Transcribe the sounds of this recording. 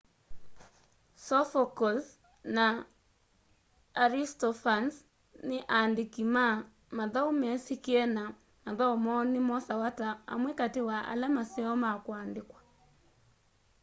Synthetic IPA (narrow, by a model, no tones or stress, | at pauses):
sɔfɔkɔs | na | ɾistɔfans | nɪʔaːndɪkima | maðaumɛsikiɛna | maðaɔmɔːnɪmɔsawataa̰mwɛkatiwaʔa̰lamasɛɔmakwandɪkwḁ